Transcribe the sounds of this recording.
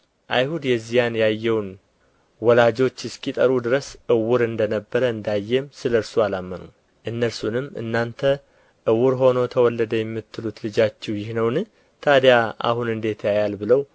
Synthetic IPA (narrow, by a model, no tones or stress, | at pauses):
ʔajhud̪jɛzːijanjajːɛwn | wɔlad͡ʒo̞t͡ʃːɪskʰʼit̪ʼəɾud̪ɨɾəsʔɨwuɾɨnd̪ənəbːəɾəɨnd̪ajːɛmsɨləɾsualamːənu | ʔɨnːəlsunɨmːɨ̰nːant̪ʰə | ʔɨwʊɾɦo̞no̞t̪ʰəwɔlːəd̪əjɛmːɨt̪ʰːɨlut̪lɨd͡ʒat͡ʃːɛwjɪhnəwnɨ | t̪ʰad̪jaa̰hunɨnd̪e̞t̪ʰjajalbɨləw